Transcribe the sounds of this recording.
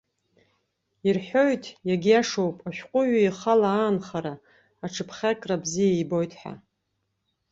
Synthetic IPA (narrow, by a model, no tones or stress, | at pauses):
irħʷo̞jtʰʼjaɡʲijaʂowpʼaʃᶣqʷʼʊɥaiχalaaːnχaɾaː | ʈ͡ʂʰɨpʰχʲakʼrabzijajbo̞jtʰʼħa̰